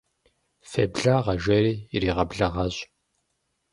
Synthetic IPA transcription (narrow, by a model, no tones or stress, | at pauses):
febɮaːʁɐʒɐɾiːriːʁɐbɮɐʁɐɕ